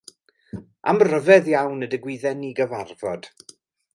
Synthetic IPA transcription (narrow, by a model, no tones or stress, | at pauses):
ʔa̰mrəvɛðjawnədəɡwɪðɛniɡəvarvɔd̥